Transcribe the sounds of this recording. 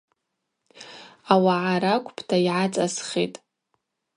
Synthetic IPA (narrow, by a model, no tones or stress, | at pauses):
awaʕaɾakʷʰʼpʰtʰaiʕat͡sʼasχitʼ